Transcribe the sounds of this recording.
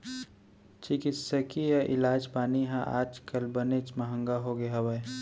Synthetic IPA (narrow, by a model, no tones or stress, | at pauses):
t͡ʃɪkɪt̪səkijaʔɪlaːd͡ʒpaːniɦãʔa̰ːd͡ʒkəlbənet͡ʃməɦə̃ŋɡaɦoɡeɦawə